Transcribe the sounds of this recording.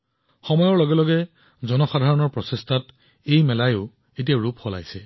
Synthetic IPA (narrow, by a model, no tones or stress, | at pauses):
xɔmɔjɔɹlɔɡɛlɔɡɛ | zɔnɔxadʱaɹɔnɔɹpɹɔsestʰat | ejmɛlajʊ | etijaɹupxɔla̰jsɛ